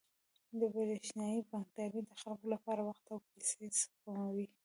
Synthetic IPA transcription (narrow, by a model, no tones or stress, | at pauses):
d̪əbaɾeʃnjɑjipɑŋk̚t̪ɑɾid̪əxalkolapɑɾawaxt̪awkasespamawi